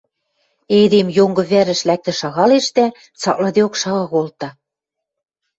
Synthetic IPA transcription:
ed̪emjoŋɡɤ̆βæɾɘ̆ʃlæk̚t̪ɘ̆ʃɑɣɑleʃt̪æ | t͡sɑ̰klɤ̆d̪eokʃɑɣɤ̆ɣolt̪ɑ

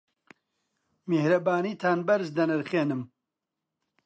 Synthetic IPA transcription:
mehɾɐbaːniːt̪ʰaːnbɐɾzd̪ɐnɨɾχeːnɨm

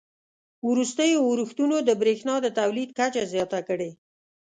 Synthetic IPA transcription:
ɾust̪əjowɾuxt̪unod̪əbɾexnɑd̪ət̪awlid̪̚kat͡ʃazjɑt̪akəɽe

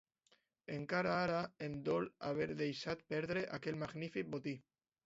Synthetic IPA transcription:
eŋkaɾaaɾaemd̪ɔlaβ̞eɾðejʃat̪̚pɛɾðɾeʔakelmaɣnifik̚bot̪i

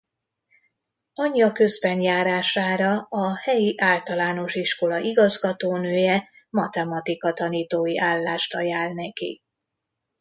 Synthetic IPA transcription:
ɒɲːɒkø̞zbɛnjaːɾaːʃaːɾɒɒhɛjiʔaːlt̪ɒlaːno̞ʃiʃko̞lɒʔiɡɒzɡɒt̪oːnøːjɛ | mɒt̪ɛmɒt̪ikɒt̪ɒniːt̪oːjiʔaːlːaːʃt̪ɒjaːlnɛkḭ

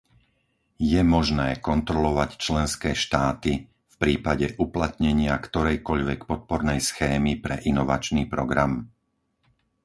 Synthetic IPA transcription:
jɛmɔʒnɛːkɔnt̪ɾɔlɔʋact͡ʃlɛnskɛːʃt̪aːt̪i | fpɾiːpaɟɛʔuplat̪ɲɛɲɪakt̪ɔɾɛjkɔʎʋɛkpɔt̪̚pɔɾnɛjsxɛːmipɾɛʔinɔʋa̰t͡ʃniːpɾɔɡɾam

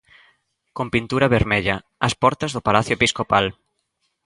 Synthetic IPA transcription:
kompint̪uɾɐβeɾmeʎɐ | ɐspɔɾt̪ɐzðʊpalaθjoepiskopal

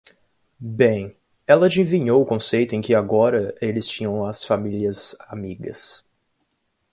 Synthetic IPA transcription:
bẽj̃ | ɛlɐd͡ʒĩvĩɲowʊkõsejt̪ʊẽj̃kɪaɡɔɾɐelɪst͡ʃĩɲɐ̃w̃ɐsfamiliɐzamiɡɐ̰s

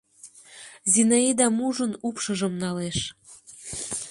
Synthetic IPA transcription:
zinɑid̪ɑmuʒɤ̆nupʃɤ̆ʒɤ̆mnɑleʃ

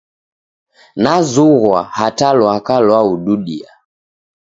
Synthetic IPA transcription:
nazuɣwahatalwakalwauɗuɗia̰

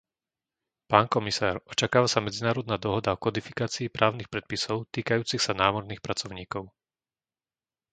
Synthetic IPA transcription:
paːnkɔmisaːɾɔt͡ʃakaːʋasamɛd͡zinaːɾɔd̪naːd̪ɔɦɔd̪aɔkɔd̪ifikaːt͡siːpɾʔaːʊnixpɾɛt̪̚pisɔʊt̪iːkajuːt͡sixsanaːmɔɾnixpɾat͡sɔʊɲiːkɔʊ

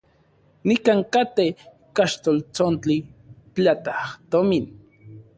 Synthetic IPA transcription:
nikaŋkat̪e | kaʃt̪olt͡sont͡ɬipat̪aht̪omin

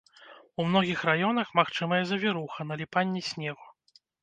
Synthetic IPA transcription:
umn̪ɔɣʲixrajɔnɐxmaxt͡ʂɨmɐjɛzɐvʲiɾuxɐnɐlʲipanʲːisʲnʲɛɣu

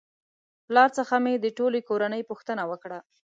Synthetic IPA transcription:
plɑɾt͡səxamed̪əʈolekoɾanəjpuxt̪ənawəkɽa

